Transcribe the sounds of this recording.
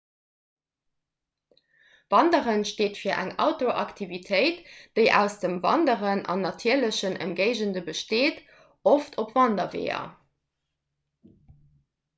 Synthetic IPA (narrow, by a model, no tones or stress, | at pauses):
v̥ɑndəʁənʃteːtfiːɐʔæ̰ŋɑ̰ʊtoʔɑktʰivitʰəɪtd̥əɪʔæ̰ʊsd̥əmvɑ̰ndəʁənʔɑ̰nːɑtʰiːɐləɕənə̰nɡeɪʒəndəbəʃteːt | oftʰopvɑndɐvḛːɐ̰